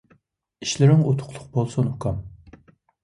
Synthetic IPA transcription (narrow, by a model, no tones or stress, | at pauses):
i̥ʃlɪɾɪŋot̪ʰʊ̥qʰlˠʊ̥q̚bolˠsunhukʰɑm